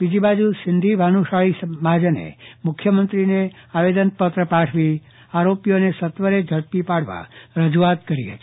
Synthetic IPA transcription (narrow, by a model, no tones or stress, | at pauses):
bid͡ʒibad͡ʒusɪnd̪ʱibʱanuʃaɭisəmad͡ʒənḛmʊkʰjəmənt̪ɾineaʋed̪ənpət̪ɾəpaʈʰʋi | aɾopijonesət̪ʋəɾed͡ʒʱəɭpipaɽʋa̰ɾəd͡ʒuat̪kəɾiɦə̰t̪i̥